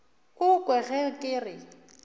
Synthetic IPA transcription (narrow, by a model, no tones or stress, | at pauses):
ʊkʼwɛɣɛkʼɪːrɪ